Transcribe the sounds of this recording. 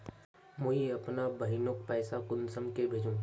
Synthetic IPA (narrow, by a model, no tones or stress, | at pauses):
mʊ̃ɦiɐpnabɐɦɪnʊk̚pɛːsakʊnsəmkebʱeːd͡ʒũː